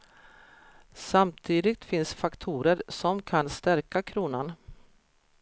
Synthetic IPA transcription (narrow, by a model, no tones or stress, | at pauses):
samt̪ʰiːd̪ɪɡ̚t̪fɪnsfakt̪ʰuːɾəɾsɔmkʰanst̪æɾkakʰɾuːnan